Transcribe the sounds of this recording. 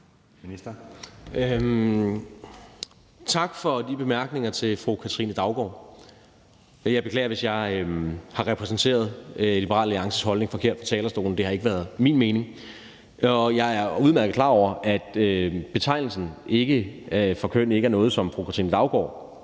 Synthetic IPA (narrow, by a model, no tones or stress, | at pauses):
m | t͡sʰɑ̈ɡ̥fɒ̽d̥ib̥e̝mæɐɡ̥ne̝ŋɐt͡sʰe̝lfʁukʰæt͡sʰʁḭːnəd̥ɑ̈ʊɡ̥ɒ̰ː | jɑ̈ɪb̥e̝klɛ̰ːɐʋe̝sjɑ̈ɪmhɑ̈ʁɛpʰʁɛsn̩t͡sʰe̝̰ːɐð̞̩ˠlib̥əʁɑ̰̈lliɑ̈ŋsəshɒ̽lne̝ŋfɒ̽kʰe̝ɐd̥fɒ̽t͡sʰɛːlɐsd̥o̝̰ːln̩d̥e̝hɑ̈e̝ɡ̥əʋæːɐð̞ˠmiːnme̝ːne̝ŋ | ɒjɑ̈ɪæɐuðˠmæɐɡəkʰlɑ̰̈ːɒʊ̰ɐʔæd̥øb̥e̝t͡sʰɑ̈ɪnl̩sn̩e̝ɡ̥əfɒ̽kʰøn̰e̝ɡ̥æɐnɔ̽ːð̞̩ˠsɒ̽mfʁokʰæt͡sʰʁḭːnəd̥ɑ̈ʊɡ̥ɒ̰ː